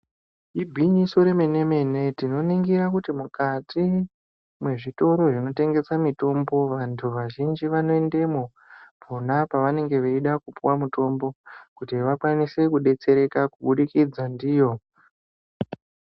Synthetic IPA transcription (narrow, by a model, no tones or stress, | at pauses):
ibʱiɲiso̞ɾeme̞ne̞me̞ne̞tino̞niŋɡiɾakutimukatʰi | mwe̞ʐito̞ɾo̞ʐino̞te̞ŋɡe̞samito̞mbo̞ʋantʰuʋaʒind͡ʒiʋano̞e̞nde̞mo | pʰonapaʋane̞ŋɡe̞ʋeiɗakupuwamuto̞mbo̞kutiʋakwanise̞kuɗe̞t͡se̞ɾe̞kakuɓuɗikid͡zandiːjo̞